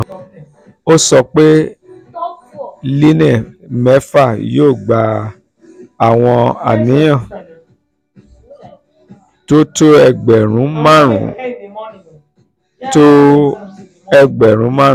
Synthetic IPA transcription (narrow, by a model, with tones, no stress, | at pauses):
o˦sɔ˧k͡pe˦ | li˦nɛ̃˦˨mɛ˨˦fa˦˨joː˦˨ɡ͡ba˨˦ | a˨w̃ɔ̃˧a̰˨nĩ˨˦j̃ã˦˨ | to˦to˦ɛ˧ɡ͡bɛ˨ɾ̃ũ˨˦mã˦ɾṵ̃˨˦ | to˦ | ɛ˧ɡ͡bɛ˨ɾ̃ũ˨˦mã˦˨˦